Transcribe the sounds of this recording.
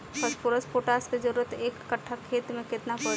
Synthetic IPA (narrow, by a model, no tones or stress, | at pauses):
kʰəspʊɾəspoːʈaːsked͡ʒəɾuɾət̪eːkːəʈʰːakʰːeːt̪mẽkɪt̪napɔ